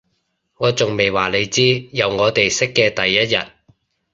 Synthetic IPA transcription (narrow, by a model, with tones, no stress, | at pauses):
ŋɔː˨˧t͡sʊ˨ŋme˨jwaː˨˩le˨˧jt͡siː˥jɐ˨˧wŋɔː˨˧t̪e˨jsɪ˥kːɛː˧t̪ɐ˨jːɐ˥t̚jɐ̰˨t̚